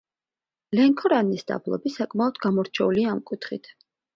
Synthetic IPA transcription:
lɛŋkʰɔɾanisd̪a̰blˠɔ̰bisakʼmaɔd̪̥ɡamɔɾt͡ʃʰɛuliaːmkʼut̪ʰχḭt̪ʰ

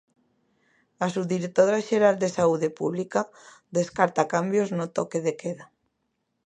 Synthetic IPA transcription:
asuðiɾek̚t̪oɾaʒeɾald̪esauðepṵβlika | d̪eskaɾt̪akambjoznot̪okeðekʰeða

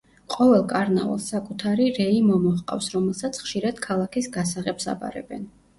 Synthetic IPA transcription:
qʼɔvɛlˠkʼaɾna̰va̰lˠsakʼut̪ʰaɾiɾɛimɔmɔχqʼa̰fsɾɔmɛlˠsat̪sʰχʃiɾad̪̥kʰalˠakʰisɡasaʁɛbsa̰bʼa̰ɾɛ̰bɛn

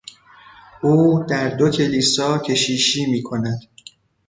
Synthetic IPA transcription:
ʔuːd̪æɾd̪ocʰe̞liːsɒːcʲʰe̞ʃiːʃiːmiːkʰo̞næd̪̥

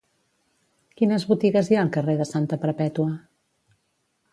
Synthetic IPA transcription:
kinəzβut̪iɣəzjaəlˠkəreðəsant̪əpəɾpɛt̪uə

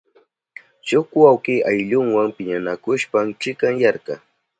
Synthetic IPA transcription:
t͡ʃʊkwawkɪʔajʎʊŋwaŋpɪɲanakʊʃpamt͡ʃɪkaŋjaɾqɑ

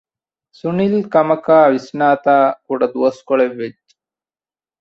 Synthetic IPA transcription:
sunilkɐmɐkaːʋisnaːt̪aːkuɽɐd̪uoskoɭeʋed͡ʒ

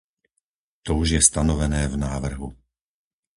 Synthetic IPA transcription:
t̪ɔuʒjɛst̪anɔʋɛnɛːvnaːʋr̩ɦu

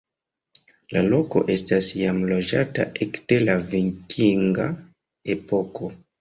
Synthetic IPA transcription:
lalo̞ko̞̰ʔe̞stasjamlo̞d͡ʒata̰ʔekd̥e̞laviŋkʰiŋɡa | e̞po̞kʰo̞

